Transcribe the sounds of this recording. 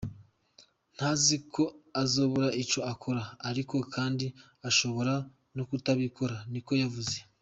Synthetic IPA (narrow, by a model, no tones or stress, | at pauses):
n̥hazikʰo̞azoβoɾaʔit͡ʃo̞akʰo̞ɾaːɾiko̞kʰaːndi | aʃo̞βo̞ɾa | nokutaβikʰo̞ɾaniko̞javuze̞